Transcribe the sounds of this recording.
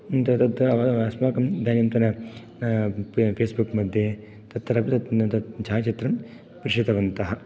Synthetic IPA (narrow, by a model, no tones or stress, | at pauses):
nt̪ɐt̪ɐt̪ːɐʋsmaːkɐmd̪aːnjɐmt̪ɐnɐ | pʰeːsbukmɐd̪ʱje | t̪ɐt̪ːɐɾɐpit̪ɐt̪ɐt͡ʃʰaːt͡ʃɐt̪ɾɐm | pɾɪʂit̪ɐʋɐnt̪ɐɦɐ